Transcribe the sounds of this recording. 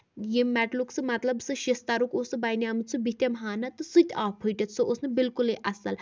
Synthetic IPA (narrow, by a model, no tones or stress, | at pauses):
jemɛʈluksɨmɐt̪lɐbsɨʃist̪aɾukosɨbajnʲiamɨt͡sʰɨbit̪ʲemɦaːnɐt̪ɨsɨt̪ʲʰaːpʰɨjʈʲɐt̪sɨʔosnɨbilkuleʔɐsɐl